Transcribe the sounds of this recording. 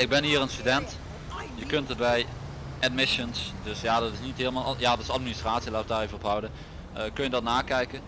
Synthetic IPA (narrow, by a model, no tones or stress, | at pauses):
ɪɡ̚bɛnɦiːrənstydɛnt | jəkɵntəd̚bɛj | ʔɛd̚mɪʃənsdɵsjaːdɑtɪsnitɦeːləmaːlˠjaːdɑtɪ̥sɑtminɪstraːtsilaːtədaːrejvərɔpɦʌwdə | kɵnjədɑtnaːkɛjkə